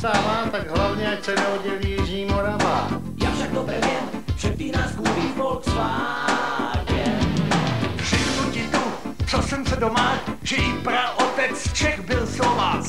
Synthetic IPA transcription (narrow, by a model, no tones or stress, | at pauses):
samaːt̪aɡɦlavɲɛat͡ʃɛnɛɦoɟɛljɪʒɲiːmoɾamaː | jaːfʃaɡ̚dobɾɛvjɛmpr̥ɛt̪̚t̪iːnaːsɡuːɾiːbolksa | ɛ | pr̥ɪjmucɪt̪o | t͡sosɛmsɛdomaːkʒ̥ɛjɪpɾaʔot̪ɛt͡st͡ʃɛxbɪlslovaː